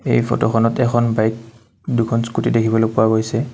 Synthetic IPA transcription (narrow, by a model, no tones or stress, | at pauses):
ḛjpʰɔ̰tɔxʰɔnɔtɛkʰɔnbajk̚ | dukʰɔnskutidekʰibɔlopʊaɡojsɛ